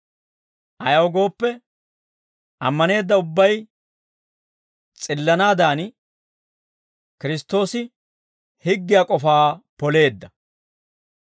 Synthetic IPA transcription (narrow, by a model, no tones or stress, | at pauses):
ʔɐjɐwɡo̞ːpːɛ | ʔɐmːɐne̞ːd̪ːɐʊbːɐj | t͡sʼɪlːɐnaːd̪aːn | kɪɾɪst̪ːo̞ːsɪ | hɪɡːɪjaːkʼɔfaːpɔle̞ːd̪ːɐ